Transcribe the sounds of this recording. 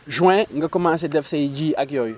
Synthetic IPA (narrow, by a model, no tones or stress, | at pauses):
ʒuɛ̃ŋ̩ɡəkomãns̬edɛfseid͡ʒiakjɔji